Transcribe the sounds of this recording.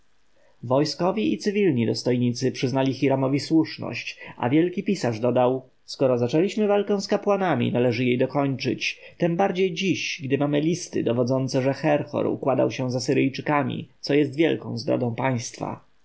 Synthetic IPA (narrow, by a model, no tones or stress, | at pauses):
vɔjskɔvʲjiit̪sɘvʲilɲid̪ɔst̪ɔjɲit̪sɘpʂɘznalʲixiɾamɔvʲiswuʂnɔ̰ɕt͡ɕa̰vʲjɛlkʲipʲisaʐd̪ɔd̪aw | skɔɾɔzat͡ʂɛlʲiɕmɘvalkɛ̃w̃skapwanamʲḭnalɛʐɘjejd̪ɔkɔɲt͡ʂɘ̰t͡ɕt̪ɛmbaɾd͡ʑejd͡ʑiɕɡd̪ɘmamɘlʲist̪ɘ̰d̪ɔvɔd̪zɔnt̪sɛʐɛxɛɾxɔ̰ɾṵkwad̪a̰wɕɛ̃zasɘɾɘjt͡ʂɘkamʲḭt̪sɔjɛst̪vʲjɛ̰lkɔ̰̃w̃zd̪ɾɔ̰d̪ɔ̃paj̃st̪fa̰